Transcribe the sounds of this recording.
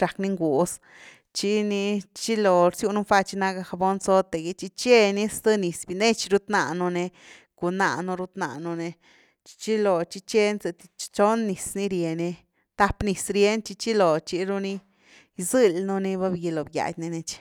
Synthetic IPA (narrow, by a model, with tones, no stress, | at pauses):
ɾa˨kni˧ŋɡu˨s | t͡ʃi˧˦ni˧t͡ʃi˦lo˨ɾsju˧nu˦fa˧t͡ʃi˧˦na˦˧ɡa˧xa˧bo˧nso˦t̪e˨ɡi˧t͡ʃi˦t͡ʃe˦˧ni˦st̪ɨ˦ni˨sbi˧ne˦t͡ʃɾu˦t̪na˧˨nu˧ne˧ | ku˨na̰˧˨nu˧ɾu˧t̪na̰˧nu˧ne˧ | t͡ʃt͡ʃi˦lo˨t͡ʃi˦t͡ʃe˦nse˧t̪i˧t͡ʃt͡ʃo˦nːi˨sni˦ɾje˨ni˧ | t̪a˦pni˨sɾje˦nt͡ʃi˧t͡ʃi˦lo˨t͡ʃi˧ɾu˧ni˦ | jzɨ˧lnu˦ni˧ba˦bɡi˧lo˨bja̰˨jʲni˧ne˧t͡ʃ